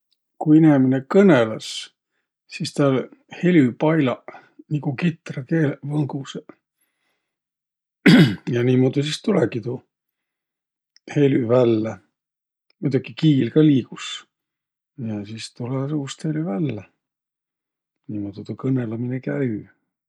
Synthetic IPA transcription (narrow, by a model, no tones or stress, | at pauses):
kuineminekɤnelɑs | sist̪ɑlhe̞lʲypɑjlɑ | nikukit̪rɑkeːlvɤŋɡuse | jɑniːmod̪isist̪ulekit̪o | he̞lyvælːe | mujt̪ukikiːlkɑliːkus | jɑsist̪ulesuːst̪helʲyvælːe | niːmod̪̥it̪ukɤnelɑminekæy